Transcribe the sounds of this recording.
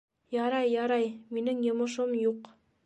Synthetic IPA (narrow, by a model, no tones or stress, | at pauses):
jɑɾɑjːɑɾɑjminɘŋjŏmŏʃ̬omjuq